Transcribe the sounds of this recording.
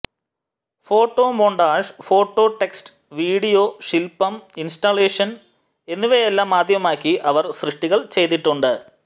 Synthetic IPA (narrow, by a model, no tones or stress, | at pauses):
fo̞ːʈːo̞ːmoːɳɖaːʂfo̞ːʈːo̞ːʈːe̞ksʈɨ̥ | ʋiːɽijoːʂilpːɐminsʈaleːʂɐn | e̞nːuʋeelːaːmːaːd̪ʱjɐmaːkʲːiʔɐʋɐrɕrɨʂʈiɣɐɭt͡ɕe̞jt̪ːiʈːuɳɖɨ